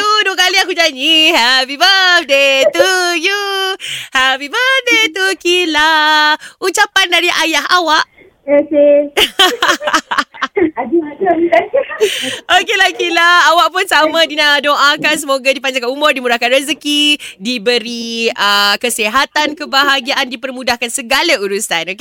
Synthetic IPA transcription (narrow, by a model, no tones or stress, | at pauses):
t̪uduakaliakud͡ʒaniɦɛpibafdet̪uju | hɛpibədet̪ukila | ut͡ʃapandaɾiʔajaɦawaʔ | oke | aa | okelakilaawaʔpʊnsamãdinadoʔakans̬əmoɡadipaɲd͡ʒakanumʊrdimudahkanrəzəkidibəɾiəkəseɦat̪ankəbaɦaɡiaʔandipərmũdahkansəɡalauɾusanoke